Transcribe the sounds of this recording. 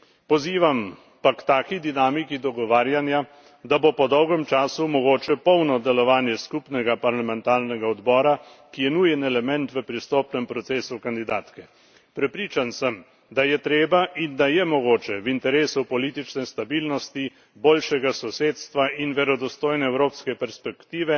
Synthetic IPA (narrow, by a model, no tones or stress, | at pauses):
pɔziːʋam | pakt̪aːkid̪inaːmikid̪ɔɡɔʋaːɾjanja | d̪abopɔd̪ɔwɡɛmt͡ʃaːsumɔɡoːt͡ʃɛpɔwnɔd̪ɛlɔʋaːnjɛskupnɛɡapaɾlamɛnt̪aːɾnɛɡaɔd̪bɔːɾa | kijɛnuːjɛnɛlɛmɛnt̪ʋəpɾist̪oːpnɛmpɾɔt̪seːsukand̪id̪aːt̪kɛ | pɾɛpɾiːt͡ʃansəm | d̪ajɛt̪ɾeːbaʔind̪ajɛmɔɡoːt͡ʃɛwint̪ɛɾeːsupɔliːt̪it͡ʃnɛst̪abiːlnɔst̪i | boːlʃɛɡasɔseːt̪st̪ʋainʋɛɾɔd̪ɔst̪oːjnɛːwɾoːpskɛpɛɾspɛkt̪iːʋɛ